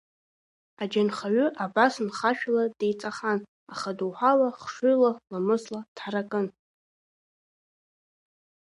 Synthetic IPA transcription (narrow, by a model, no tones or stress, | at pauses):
ad͡ʒanχaɥʏʔabasnχaʃᶣladejt͡sʼaχan | aχaduwħʷalaχʂʊjlalamɨslatħaɾakʼɨn